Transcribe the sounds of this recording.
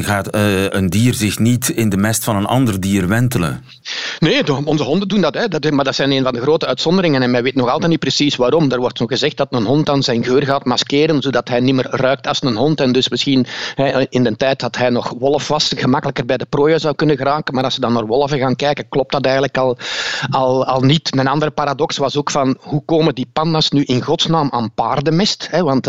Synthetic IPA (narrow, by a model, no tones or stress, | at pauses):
ɣaːtəndiːrzɪxnitɪndəmɛstfɑnənɑ̰ndərdiːrʋɛntələ̰n | neːdɔnzəɦɔndəndundɑtɦɛdɑtmaːrdɑtsɛjneːnvɑndəɣroːtəœɥtsɔndəɾɪŋənɛnmɛnʋeːtnɔxɑlˠtɛtnit̚prəsisʋaːɾɔmdərʋɔrtnɔxəzɛxt̚d̥ɑtənɦɔntɑːnzɛjnɣøːrɣaːtmɑskeːɾənzoːdɑtɦɛjnɪmərrœɥk̚tɑlˠsnənɦɔntɛndɵsmɪsxinɦɛɪndəntɛjtdɑtɦɛjnɔxʋɔlˠəfʋɑsɣəmɑkələkərbɛjdəproːjazɑwkʏnəɣəraːkənmaːɾɑlˠsədɑnːaːrʋɔlˠəfəɣaːnkɛjkənklɔp̚tɑtɛːjɣənləkɑlˠɑlˠɑlˠnitnənɑndəɾəpaːɾadɔksʋɑsoːkfɑnɦukoːmədipɑnːɑsnyʔɪnɣɔtsnaːma̰ːnpaːrdəmɪstɦɛʋɑnt